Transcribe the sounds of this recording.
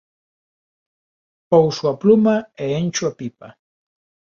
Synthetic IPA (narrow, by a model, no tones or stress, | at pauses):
powswaplʊmaeːnt͡ʃuapipa